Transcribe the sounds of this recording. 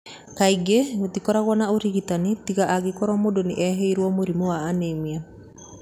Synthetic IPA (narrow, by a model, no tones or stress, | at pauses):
kaiɡeotikɔɾaɣwɔnaoɾiɣitanitiɣaʔaɣekɔɾɔmodoneʔɛɦeiɾwɔmoɾimowaːnemia